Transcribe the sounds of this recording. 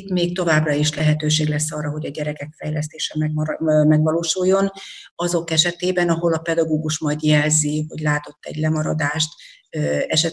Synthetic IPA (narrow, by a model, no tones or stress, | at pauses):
t̪meːk̚t̪o̞vaːbrɒiʃlɛɦɛt̪øːʃeːɡlɛsːɒːrːɒɦo̞ɟɒɟɛɾɛkɛkfɛjlɛst̪eːʃɛmɛmɛɡvɒloːʃujːo̞nɒzo̞kɛʃɛt̪eːbɛnɒɦo̞lɒpɛd̪ɒɡoːɡuʃmɒjd̪jɛlziɦo̞̰ɟlaːt̪o̞t̪ːɛ̰ɟlɛmɒɾɒd̪aːʃt̪ː | ɛʃɛ